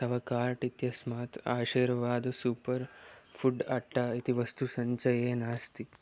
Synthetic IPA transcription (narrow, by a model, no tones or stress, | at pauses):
saʋakaɾʈit̪jɐsmat̪aːɕiɾʋad̪supəɾfuʈaʈːait̪ʰiʋəst̪usəɲt͡ʃəjenast̪i